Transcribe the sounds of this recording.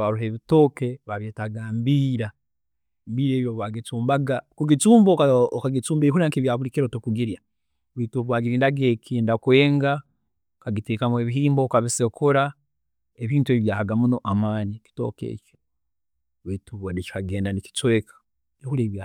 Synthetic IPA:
βaɾuɦeβito̞ːkeβaβjeːtaɡaːmbiɾa | mbiɾeːβijoβwaɡit͡suːmbaɡakuɡit͡suːmbokaokaɡit͡suːmbeɦuɾiaŋkiβjaːβuɾikiɾotokuɡiɾja | βuitoβwaːɡiɾiːndaɡekiːndakweːŋɡa | okaɡiteːkamwe̞ːβiɦiːmbokaβisekuɾa | eβiːntueβjaːhaɡamuno̞ʔamaːɲiki̥to̰kḛːco̥ | βetuβadeci̥kaɡe̞ːndaniki̥t͡sweːkʰḁ | ehuɾeβja

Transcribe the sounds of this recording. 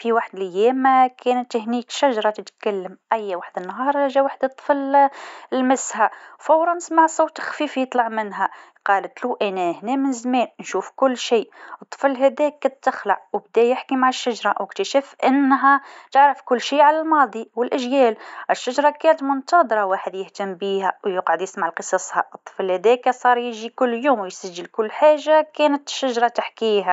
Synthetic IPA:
fiwaħd̪lɪjɛmkʰæːnət̪ːɪhniːkʃæʒɾˤɑt̪ət̪kælːəmʔæjːwaħd̪ənːɦɑːɾˤɑʒæwaħd̪ət̪ˤːə̥flɪlmɪshawfɑwɾˤɑnsmaʕsˤowt̪xfifjət̪ˤlɑʕmɪnɦæ | qɑːlət̪luʔænæhnɛmənzmɛːnnʃuːfkʊlːʃiːət̪ˤːə̥flɦæd̪ɛːk̚ːɑd̪̚t̪ːəxlaʔwb̚d̪æjɪħkimaʕɪʃːaʒɾˤɑwɪkt̪æʃæfʔɪnːɦæt̪əʕɾəfkʊlːʃiːʕalælmɑːd̪ˤiwɪlʔæʒjæːlʔɪʃːaʒɾˤɑkæːnət̪mʊnt̪ɑd̪ˤɾˤɑwaːħəd̪jəht̪əmbiːhæwjəqʕad̪jɪsmaʕlqəsˤɑsˤhɑ̰ʔət̪ˤːə̥flhæd̪ɛːkæsˤɑːɾˤjɪʒikʊlːjuːmwjsæʒːəlkʊlːħaːʒakæːnət̪ʃːaʒɾˤɑt̪ɪħkiːɦæ

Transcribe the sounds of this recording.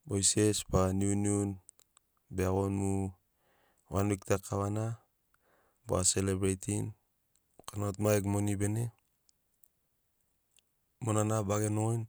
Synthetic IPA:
bojse̞sbaniuniun | beaɡonmu | wanwik̚takʰːaβana | ba̰selebɾejtʰin | kanotmaekmo̞nibe̞ne̞ | monanabaɡe̞noojn

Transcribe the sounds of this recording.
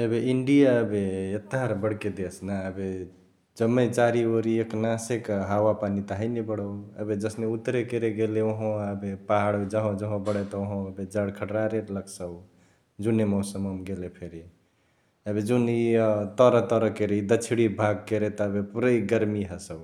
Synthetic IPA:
əbeiɳɖijaəbeet̪ːaɾbəɽked̪esnaəbe | d͡ʒəmːet͡ʃaɾioɾieknasekɦawapanit̪aɦəjnebəɽəwə̰bed͡ʒəsneut̪ːɾekeɾeɡeleoɦõəbepaɦaɽd͡ʒəɦõd͡ʒəɦõbəɽɛt̪ɔoɦõəbed͡ʒəɽkʰəʈɾaɾeɾləksə | d͡ʒunemɔsəməmɡelepʰeɾi | əbed͡ʒunit̪əɾət̪ɔɾəkeɾiid̪ət͡ʃʰiɽibʱaɡ̚keɾet̪ɔəbepuɾəiɡəɾmiɦəsəw

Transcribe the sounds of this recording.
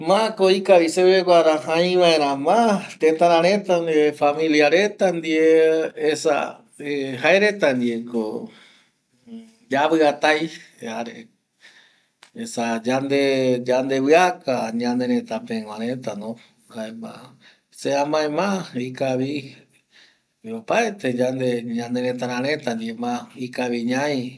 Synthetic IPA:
mãkoikaβiseβeɡʷaɾahãj̃ʋãẽɾãmãt̪ẽt̪ãɾãɾẽt̪and̪iefamĩliaɾet̪and̪ieesa̰ | eɦaeɾet̪and̪ieko | d͡ʒaβɨat̪aj | aɾe | esad͡ʒand̪ed͡ʒand̪eβɨakaɲãnẽɾẽt̪apẽŋãɾet̪anõ | aema̰ | seamãẽmãikaβi | opaet̪ed͡ʒand̪eɲãnd̪eɾẽt̪aɾãɾẽt̪and̪iemãikaβiɲãj

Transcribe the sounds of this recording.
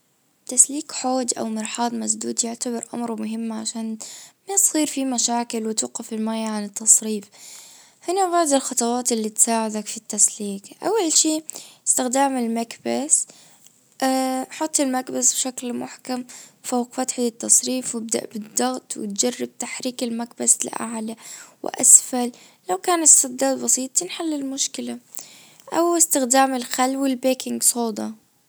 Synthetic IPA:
t̪ːasliːkħoːd̪ʔa̰wmɪɾħɑːd̪ˤmas̬d̪uːd̪jʊʕt̪abɪɾʔa̰mɾmʊɦɪmːʕaʃaːnmat̪siːɾfimaʃaːkɪlwɪt̪uːqɪfɪlmaːjaʕanɪt̪ːɑsˤɾiːf | hɪnaβaʕd̪ɪlxɑt̪ˤɑwɑːt̪ɪlːit̪saːʕɪd̪akfit̪ːasliːkʔa̰wːalʃiːɪ̥st̪ɪxd̪aːmɪlmakbas | ʔaħʊt̪ˤːɪlmakbasbʃaklmʊħkamfawqfat̪ħaɪt̪ːɑsˤɾiːfwɪb̚d̪a̰ʔbɨd̪ˤːɑɣt̪ˤwɪ̰t̪̚d͡ʒarˤːɪb̚t̪aħɾiːkɪlmakbaslʔa̰ʕlawɪ̰ʔa̰sfalː | awkaːnɪsːɑd̪ːaːd̪bɑsiːt̪ˤɪnħalːɪlmʊʃkɪla | ʔawɪst̪ɪxd̪aːmɪlxalːwɪlbeːkɪŋɡsˤoːd̪ˤɑ

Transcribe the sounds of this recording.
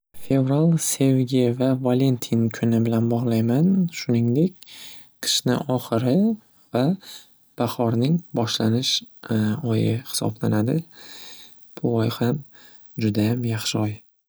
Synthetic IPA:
fe̞vɾalˠse̞vɡʲe̞jvavale̞nt̪ʰinkʰʊnɪbɪlanbɒʁlˠajmanʃʊnɪŋd̪e̞kʲ | qʰɨ̥ʃnɪ̰ʔɒχɨɾɪ | va | b̥ahɒɾnɪŋbɒʃlanɪʃ | ɒjɪhɪ̥sɒ̰blanad̪ɪ | b̥ʊɒjham | d͡ʒʊd̪ajamjaχʃɪɒj

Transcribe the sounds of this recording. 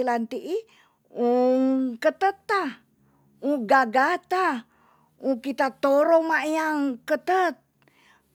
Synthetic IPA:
ilant̪iʔi | uŋkət̪ət̪ːa | uɡaɡat̪a | ukit̪at̪oɾomaʔjaŋkət̪ət̪̚

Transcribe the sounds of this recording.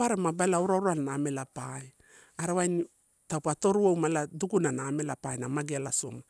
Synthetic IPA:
aɾemabaelauɾaɾualnaːme̞lapaj | aɾawajn | tawpato̞ɾuowmaladukunanaːme̞lapajnamaɡialaso̞̰ma

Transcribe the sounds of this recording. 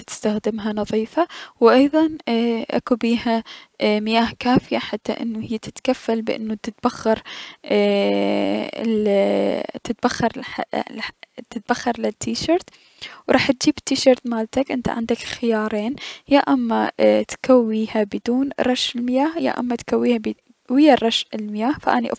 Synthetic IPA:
t̪ɪ̥st̪axd̪ɪmɦanɑðˤiːfawʔɑjðˤɑnʔa̰kubiːhamɪjaːhkaːfɪjaħat̪ːaʔɪ̰nːuhɪjːat̪ɪt̪kafːalbɪʔɪ̰nːut̪ɪt̪̚b̥axːɑɾˤ | t̪ɪt̪̚baxːɑɾˤa | t̪ɪt̪̚baxːɑɾˤlɪt̪ʰːiːʃɑːɾˤt̪ | wɾˤɑːħt̪̚d͡ʒiːbt̪ːiːʃɑːɾˤt̪maːlt̪akʔɪnt̪a̰ʕa̰nd̪akxɪjɑːɾˤeːnjaʔamːat̪kʰawːiːhabɪd̪uːnɾˤɑʃɪlmɪjaːhja̰ʔa̰mːat̪kawːiːhab | wɪjːarˤɑʃɪlmɪjaːhfaʔaniʔ

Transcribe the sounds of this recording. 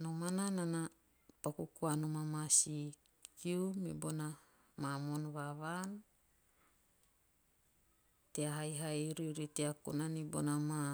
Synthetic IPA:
nomananana | pakukuanomamasi | kiumibona | mamonβaβan | teaɦajɦajɾiɾiteakṵnanibo̰nama

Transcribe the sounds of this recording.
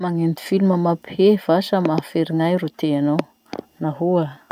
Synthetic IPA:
maŋend̪i̥filuməmaphev̥asamafeɾiŋajɾut̪eanow | naɦua

